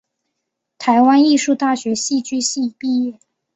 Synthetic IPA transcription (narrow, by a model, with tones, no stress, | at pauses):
t̪ʰa˧˥ɪwa˥ni˥˧ʂu˥˧t̪a˥˩ɕɥɛ˧˥ɕi˥˧t͡ɕy˥ɕi˥˧pi˥˧jɛ˥˩